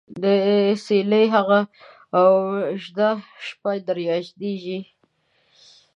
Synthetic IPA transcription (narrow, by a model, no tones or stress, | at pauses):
d̪əseləjɦaɣaː | wʒd̪aʃpajd̪aɾjɑʒd̪eʒi